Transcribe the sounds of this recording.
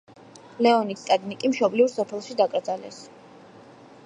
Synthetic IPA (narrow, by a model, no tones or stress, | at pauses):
lɛɔnist̪ʼaɡ̪nikʼimʃɔblivɾsɔpʰɛlˠʃid̪akʼɾd̪zalɛ̰s